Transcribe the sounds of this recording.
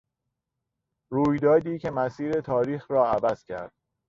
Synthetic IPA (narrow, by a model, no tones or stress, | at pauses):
ɾuːjd̪ɒːd̪iːcʰe̞mæsiːɾe̞t̪ʰɒːɾiːxɾɒːævæz̥cʰæ̰ɾd̪̥̚